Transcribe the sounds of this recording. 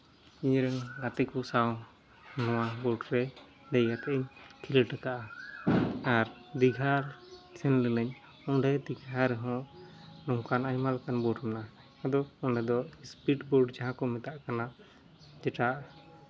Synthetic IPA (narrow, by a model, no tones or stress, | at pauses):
iɲɾəŋɡat̪ɛkɔsaw | nɔ̃wabɔɖɾɛ | d̪ɛjat̪ɛʔɛɲkʰilɛʈɛkaʔa | aɾd̪iɡʱalsɛnlɛlɛɲ | ɔɖɛd̪iɡʱaɾɛɦɔ̃ʔnɔŋkanajmalkanbɔɖmɛna | ad̪ɔɔɳɖɛd̪ɔspiʈbɔɖd͡ʒaɦãkɔmɛt̪aʔkana | d͡ʒɛʈaʔ